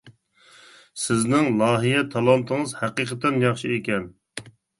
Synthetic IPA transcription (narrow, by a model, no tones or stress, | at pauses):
sɪznɪŋlˠɑːɦijɛt̪ʰɑlˠɑnt̪ʰɨŋɨzhæqiːqʰət̪ɛnjɑχʃiekʲɛn